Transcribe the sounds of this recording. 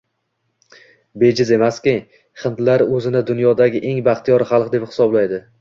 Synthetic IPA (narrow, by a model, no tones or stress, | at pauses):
be̞d͡ʒɪze̞maskʲɪ | χɨnt̪laɾɵzɪnɪd̪ʊnjɒd̪aɡʲɪʔe̞ŋbaχt̪ʰijɒɾχɑlˠqd̪e̞pχɪ̥sɒblajd̪ɪ